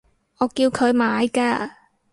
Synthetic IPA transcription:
ɔː˨˧kiː˧wkʰɵ˨˧ɥmaː˨˧jkaː˧

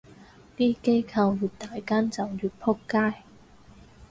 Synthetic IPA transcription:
t̪iː˥ke˥jkʰɐ˧wwuː˨˩t̪aː˨˧jkaː˥nt͡sɐ˨wjyː˨˩t̚pʰʊ˥kːaː˥j

